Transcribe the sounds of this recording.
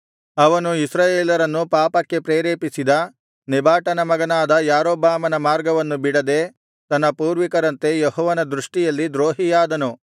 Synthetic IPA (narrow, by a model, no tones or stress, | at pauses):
ɐʋɐnuisɾaːjeːlɐɾɐnːupaːpɐkːe̞pɾeːɾeːpisid̪ɐ | nibaːʈɐnɐmɐɡɐnaːd̪ɐjaːɾoːbaːmɐnɐmaːɾɡɐʋɐnːubiɽɐd̪e̞ | t̪ɐnːɐpuːɾʋikɐɾɐnt̪e̞jeɦɔːʋɐnɐd̪ɾuʂʈijɐlːid̪ɾoːɦijaːd̪ɐnu